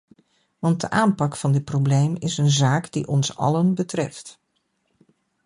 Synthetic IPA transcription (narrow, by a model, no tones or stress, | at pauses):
ʋɑnt̚dəʔaːnpɑkfɑndɪt̚prowblejmɪsənzaːkdiʔɔnsɑ̰lənbətrɛft